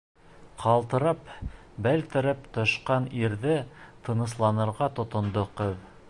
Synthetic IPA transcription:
qʰɑlˠt̪ɤ̆ɾɤp | bælt̪ɘ̆ɾɘp̚t̪ŏʃqɑniɾðɘt̪ʰɤ̆nɤ̆slˠɑnɤ̆ɾʁɑt̪ŏt̪ŏnd̪oqɵw

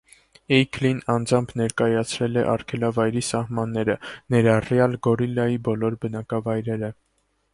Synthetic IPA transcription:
ɛjkʰlinɑnd͡zɑmpʰnɛɾkɑjɑt͡sʰɾɛlɛʔɑrkʰɛlɑvɑjɾisɑhmɑnːɛɾənɛɾɑrjɑlɡɔɾilɑjibɔlɔɾbənɑkɑvɑjɾɛɾə

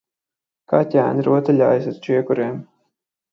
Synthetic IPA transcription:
kaːt̪ʲæːnɾuɔt̪ɨlʲa̰ːjs̬at̪t͡ʃiɛkuɾeːm

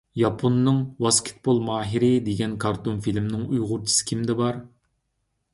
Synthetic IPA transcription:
jɑpʰonːɨŋwɑskʲʰɪ̥t̪̚bolˠmɑːɦiɾɪd̪eɡʲɛnkʰɑɾt̪onfilmnɪŋujʁʊɾt͡ʃʰi̥sɨ̥kʲʰimd̪ɛbɑɾ

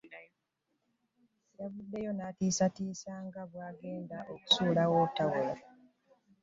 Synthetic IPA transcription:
jaβudːe̞jonatiːsatiːsaŋɡaβwaːɡe̞ːndaʔoku̥suːlawotːawoːɾa

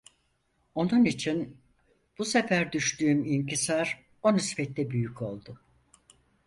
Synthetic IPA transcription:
o̞nunit͡ʃʰin | b̥usefæɾd̪yʃt̪yːmincʰisaɾ | o̞nysfɛt̪ːɛbyjycʰo̞lˠd̪ʊ

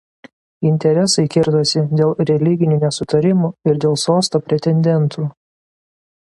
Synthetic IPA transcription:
ɪnʲt̪ʲɛɾʲɛsɐɪkʲɪɾt̪osʲɪd̪ʲeːlˠɾʲɛlʲɪɡʲɪnʲɪnʲɛsʊt̪ɐɾʲɪmoːɪɾd̪ʲeːlˠsoːst̪oːpʲɾʲɛt̪ʲɛnʲd̪ʲɛnˑt̪ʰuː

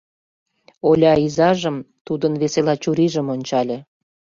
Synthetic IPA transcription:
olʲɑizɑʒəmt̪ud̪ənβeselɑt͡ɕuɾiʒə̆monʲt͡ɕɑlʲĕ

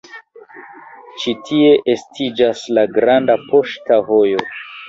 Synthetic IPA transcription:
t͡ʃitʰie̞ʔestʰid͡ʒaslaɡɾandapo̞ʃtavo̞jo̞

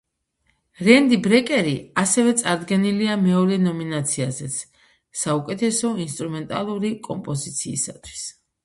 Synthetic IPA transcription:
ɾɛnd̪ibɾɛkʼɛɾiasɛvɛt̪sʼaɾd̪ɡɛniliamɛɔɾɛnɔminat̪sʰiazɛt̪sʰ | saukʼɛt̪ʰɛsɔinst̪ʼɾumɛnt̪ʼalˠuɾikʼɔmpʼɔzit̪sʰḭːsat̪ʰwi̥s

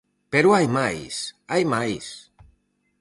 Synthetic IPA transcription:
peɾuajmajsajmajs

